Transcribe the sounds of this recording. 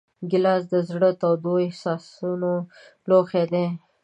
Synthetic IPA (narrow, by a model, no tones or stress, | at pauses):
ɡɪlɑsd̪əzɽət̪awd̪oɪhsɑsuno | loxed̪e